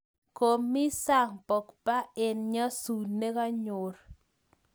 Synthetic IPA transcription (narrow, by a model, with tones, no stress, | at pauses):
ko˨mi˦sa˦˨ŋpɔ˨kpa˦e˨nɲa˦su˨ne˦ka˦ɲo˨ɾ